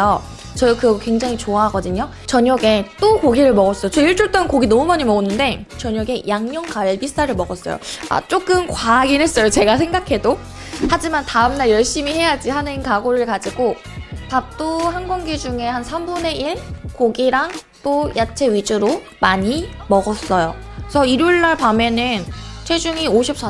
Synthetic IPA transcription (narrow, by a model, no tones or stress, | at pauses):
ʌ | t͡ɕʌdokɯʌɡkwe̞ŋd͡ʑaŋit͡ɕoaɦaɡʌdɯɲo | t͡ɕʌɲʌɡe̞t͈okoɡiɾɯɭmʌɡʌs͈ʌjot͡ɕʌiɭt͡ɕ͈uɭt͈ʌnkoɡinʌmumaɲimʌɡonːɯnde̞t͡ɕʌɲʌɡe̞jʔaŋɲʌŋkaɭbist͈ʰaɾɯɭmʌɡʌs͈ʌ̰jo̰a̰t͡ɕ͈ok͈ɯmkwaɡinɦe̞s͈ʌjot͡ɕe̞ɡasʰe̞ŋɡakʰe̞do | had͡ʑimantaɯmnaɭjʌɭɕ͈imiɦe̞jad͡ʑihanɯnkaɡoɾɯɭkad͡ʑiɡo | pap̚t͈ohanɡʌŋɡed͡ʑuŋe̞hansʰambune̞iɭkoɡiɾaŋ | t͈ojʔat͡ɕʰe̞ɥid͡ʑuɾo | maɲi | mʌɡʌs͈ʌjosʰʌiɾjoɭːaɭpamjʌnɯnt͡ɕʰwed͡ʑuŋioɕʰip̚s͈